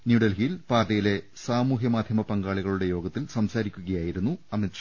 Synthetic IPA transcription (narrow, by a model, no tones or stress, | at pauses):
njuːɽɐlɦijilpaːrɖɐjile̞saːmuːɦjɐmaːd̪ʱjɐmɐpɐŋɡaːɭiɣɐɭuɽe̞jo̞ːɡɐt̪ːilsɐmsaːɾikʲːuɣɐjaːjiɾunːuɐmit͡ɕː